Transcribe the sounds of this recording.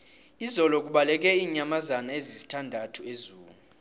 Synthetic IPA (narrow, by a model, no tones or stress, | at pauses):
izɔlɔkʼuɓalɛk̬ʼɛiːɲamazanaezizi̥tʰandʱatʰuezuːlu